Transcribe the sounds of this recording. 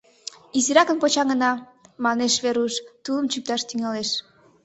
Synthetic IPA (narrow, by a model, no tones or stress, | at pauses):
isiɾɑkənpot͡ɕɑŋənɑ | mɑneʃβeɾuʃt̪uləmt͡ɕyk̚t̪ɑʃt̪yŋɑleʃ